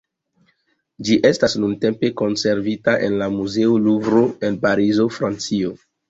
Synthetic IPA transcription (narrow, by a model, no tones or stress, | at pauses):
d͡ʒiʔe̞stasnunte̞mpe̞ko̞nse̞ɾvitaʔe̞̰nlamuze̞olubɾo̞e̞npaɾizo̞fɾant͡sio